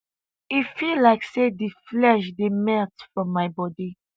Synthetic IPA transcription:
ifillaɪksediflɛʃ̬demɛtfɹɔ̃mːaɪbɔdi

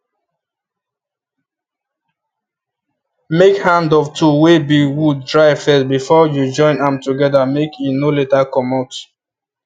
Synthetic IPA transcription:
mekhãndɔvtʰuwebiwuddɹaɪvfɛsbifɔjud͡ʒɔ̃ɪ̃nãmtuɡɛdəmekʰinoletakʰɔ̃maʊt

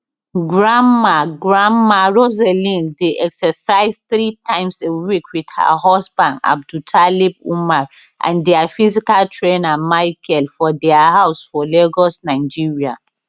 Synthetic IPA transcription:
ɡɹamːaɡɹãmːaɹozɛlĩndeʔɛksɛsaɪzθɹitʰãɪ̃msewikwid̥ha̰ɦɔsbãnda̰b̚dutʰalib̚umaɹ | ʔã̰ndɛafizikaltʰɹenamaɪkʰɛlfɔdɛahaʊsfɔleɡɔsnaɪd͡ʒiɹia̰

